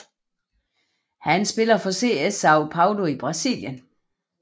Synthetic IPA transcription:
hænsb̥e̝lɐfɒ̽se̝ːesɑ̈ʊpʰɑ̈ʊloib̥ʁɑ̈sḭljən

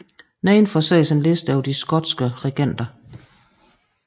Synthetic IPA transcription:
nɛɪnfɒsɛɪ̰senle̝sd̥æʊd̥isɡ̥ɒ̽d̥sɡ̥əʁɛɡ̥en̰d̥ɐ

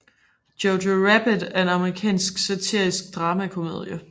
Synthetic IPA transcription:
d̥joʊdoʁæb̥əd̥æɐe̝nɑ̈məʁikʰɛ̰ːnsɡ̥sɑt͡sʰiɐ̰isɡ̥̚d̥ʁɑ̈ːmækʰo̝mø̰ːðˠjə

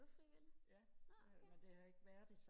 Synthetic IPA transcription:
fiʋeljæed̥e̝hæe̝ɡ̥ʋæːɐd̥e̝s

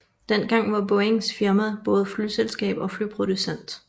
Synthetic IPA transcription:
d̥en̰ɡ̥ɑ̈ŋ̰ʋɑ̈bɔeŋsfiɐmæð̩ˠb̥ɔ̽ːð̞̩ˠflyselsɡ̥ɛ̰ːb̥ɒ̽flypʰʁo̝d̥usen̰d̥

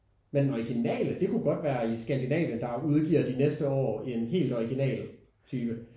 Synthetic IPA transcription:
mend̥nɒiɡ̥inɛ̰ːləd̥e̝kʰuɡ̥ɒ̽d̥ʋæːɐisɡ̥ænd̥inɛ̰ːʋjənd̥ɑ̈uð̞ˠɡ̥ḭɐ̰d̥inesd̥əɒ̰ːenɦe̝̰ːld̥ɒiɡ̥inɛ̰ːl | t͡sʰyːb̥ə

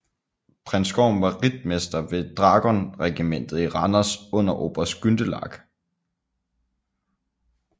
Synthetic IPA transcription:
pʰʁɛnsɡ̥ɒʊ̰mʋɑ̈ʁid̥̚mesd̥ɐʋe̝d̥ʁɑ̈ːɡ̥ɒnʁɛɡ̥imen̰d̥ð̩ˠiʁɑnɐsɔ̽n̰ɐʔo̝̰ːb̥ɐsɡ̥ynd̥əlɑ̰̈ɡ̥

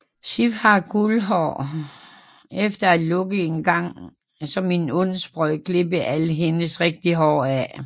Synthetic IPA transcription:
sifhɑ̈ɡ̥ulɦɒ̰ː | efd̥ɐælɔ̽ɡ̥əe̝nɡ̥ɑ̈ŋ̰ | sɒ̽mːinɔnsb̥ʁɔɪ̰ɡ̥le̝bəʔæləɦe̝nəsʁɛɡ̥̚d̥iɦɒ̰ːæ

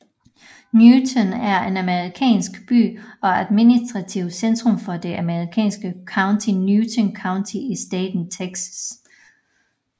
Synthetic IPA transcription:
njuːt͡sʰənæɐe̝næməʁikʰɛ̰ːnsɡ̥b̥y̰ːɒ̽æðˠminisd̥ʁɑ̈t͡sʰiʊsend̥ʁɔ̽mfɒ̽d̥e̝ʔæməʁikʰɛ̰ːnsɡ̥əkʰɑ̈ʊnt͡sʰinjuːt͡sʰənkʰɑ̈ʊnt͡sʰiisd̥eːd̥n̩t͡sʰeɡ̥ss

